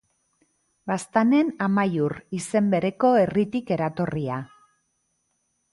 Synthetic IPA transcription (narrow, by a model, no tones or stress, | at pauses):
bast̪ane̞namajurise̞mbe̞ɾe̞ko̞e̞rit̪ike̞ɾat̪o̞ria